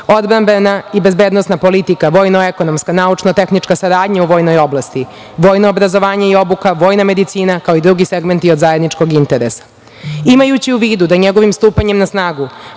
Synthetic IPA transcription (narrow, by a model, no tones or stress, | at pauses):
o̞d̪bɾambenaibe̞zbe̞ːd̪nosnapo̞lit̪ikaʋo̞ːjnoeko̞no̞mskanaut͡ʃnot̪e̞xnit͡ʃkasaɾaːd̪ɲauʋo̞ːjno̞jo̞blˠast̪i | ʋo̞ːjnoːbɾazo̞ʋaːɲeio̞bukaʋo̞ːjname̞d̪it̪siːnakao̞id̪ɾuɡiseɡment̪iod̪zajed̪nit͡ʂko̞ɡint̪e̞ɾesḁ | imajut͡ɕiuʋiːd̪ud̪aɲeɡo̞ʋimst̪uːpaɲe̞mnasnaːɡu